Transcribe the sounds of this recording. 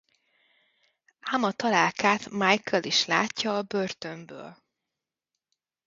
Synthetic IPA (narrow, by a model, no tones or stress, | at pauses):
amɒt̪ɒlaːlkaːt̪majkɛliʃla̰ːcːɒːbørt̪ø̞mbø̰ːl